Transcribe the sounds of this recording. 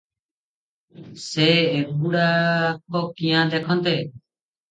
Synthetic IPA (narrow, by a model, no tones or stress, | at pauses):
seːebuːɽaːkoːkĩjãːd̪eːkʰɔ̃nt̪eː